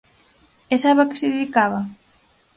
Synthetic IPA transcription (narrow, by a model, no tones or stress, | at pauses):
esaβakɪ̥sɪðeðikaβa